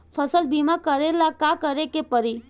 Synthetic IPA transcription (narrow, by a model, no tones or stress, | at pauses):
fʰəsəlbimakəɾelakakəɾekepəɾi